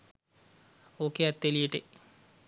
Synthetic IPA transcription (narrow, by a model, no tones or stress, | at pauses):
oːkeæt̪ːelijeʈe